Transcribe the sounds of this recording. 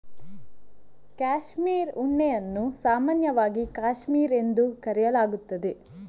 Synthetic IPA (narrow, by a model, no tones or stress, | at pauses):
kaːʃmiːɾuɳːɛjɐnːusaːmaːnjɐʋaːɡikaːʃmiːɾe̞nd̪ukɐɾɛjɐlaːɡut̪ːɐd̪e̞